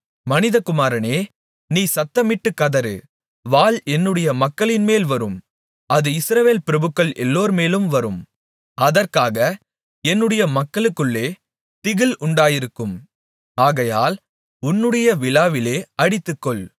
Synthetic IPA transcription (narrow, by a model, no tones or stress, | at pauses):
mɐnɪðɐkʊmaːɾɐneː | niːsɐt̪ːɐmɪʈːɯkːɐðɐɾɯ̰ | ʋaːlɛnːɯɽɐjɐmɐkːɐɭɪnmeːlʋɐɾɯm | ɐðɯɪsɾɐʋeːlpɪɾɐbɯkːɐɭʔɛlːoːɾmeːlɯmʋɐɾɯm | ɐðɐrkaːɣɐ | ɛnːɯɽɐjɐmɐkːɐɭɯkːɯɭːeː | t̪ɪɣɪlʔʊɳɖaːjɪɾɯkːɯm | aːɣɐja̰ːl | ʊnːɯɽɐjɐʋɪlaːʋɪleːʔɐɽɪt̪ːɯkːɔɭ